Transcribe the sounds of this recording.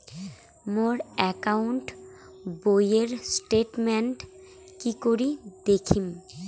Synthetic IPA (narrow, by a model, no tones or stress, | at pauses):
moɾɛkauɳʈ | bojeɾsʈeʈmenʈ | kikoɾid̪ekʰim